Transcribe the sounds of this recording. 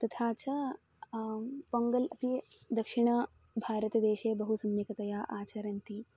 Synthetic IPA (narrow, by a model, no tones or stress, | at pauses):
t̪ɐt̪ʰaːt͡ʃɐ | pɐŋɡɐlɐp̪i | d̪ɐkʂiɳ̃ɐ | bʱaːɾɐt̪ɐd̪eːʃeːbɐɦusɐmːikɐt̪ɐjaːʔaːt͡ʃɐɾɐnt̪i